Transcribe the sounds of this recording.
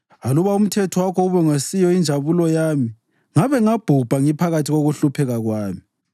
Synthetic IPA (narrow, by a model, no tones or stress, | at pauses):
aluβaum̩tʰɛtʰɔwakʰɔuβɛŋasijɔind͡ʒʱaβulɔjaːmi | ŋaβɛŋab̥ʱub̥ʱaŋipʰaɣatʰiɣoɣuɬupʰɛɣaɣwaːmi